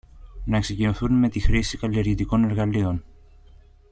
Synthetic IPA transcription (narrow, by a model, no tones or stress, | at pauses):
nɐksecinoθunme̞t̪ixɾisikɐlie̞ɾʝit̪iko̞ne̞ɾɣɐlio̞n